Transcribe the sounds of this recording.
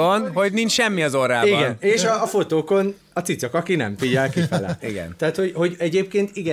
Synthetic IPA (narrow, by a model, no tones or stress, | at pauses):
onɦo̞ɟnint͡ʃʃɛmːiɒzoraːliɡɛneːʃɒːfo̞t̪oːko̞n | ɒt̪sit̪sokɒkinɛ̰ɱfiɟɛlkifɛlɛiɡɛ̰nt̪ɛɦat̪ho̞ɟho̞ɟɛɟeːp̚keːnt̪iɡɛ